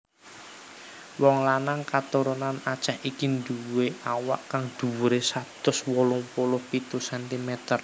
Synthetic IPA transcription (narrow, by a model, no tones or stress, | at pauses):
wɔŋlanaŋkat̪uɾonanat͡ʃahikind̪uweawa̰ʔkaŋd̪̥ṳwɾesat̪ʊswɔlʊŋpolʊhpit̪usɛnt̪imɛt̪ər